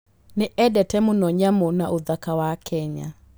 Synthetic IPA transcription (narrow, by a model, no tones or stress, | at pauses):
neʔɛɗɛtɛmʊnɔɲamonaʔoðakawakʰɛɲa̰